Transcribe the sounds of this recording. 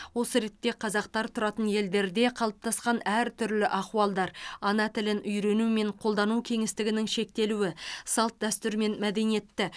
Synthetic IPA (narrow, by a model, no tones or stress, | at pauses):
wo̞səɾe̞t̪ːe̞qʰɑzɑq̚t̪ɑɾt̪ʰʊɾɑt̪ənje̞ld̪e̞ɾd̪e̞qʰɑlˠəp̚t̪ʰɑsqɑnæɾt̪ʰʏɾlɪʔɑquwɑlˠd̪ɑɾɑnɑt̪ʰɪlɪnʔʏjɾe̞nume̞ɴqʰo̞lˠd̪ɑnukʲʰe̞ŋɪst̪ɪɡʲɪnɪŋʃe̞k̚t̪e̞luwɪsɑlˠt̪̚d̪æst̪ʏɾme̞nmæd̪e̞nije̞t̪ːɪ